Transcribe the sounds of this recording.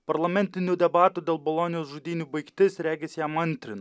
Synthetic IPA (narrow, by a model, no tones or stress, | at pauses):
pɐɾlˠɐmʲɛnʲt̪ʲɪnʲuːd̪ʲɛbɑːt̪uːd̪ʲeːlˠbolˠoːnʲɪjoːsʒʊd̪ʲiːnʲuːbɐɪkt̪ʲɪsɾʲæːɡʲɛsʲjæːmɐnʲt̪ʲɾʲɪn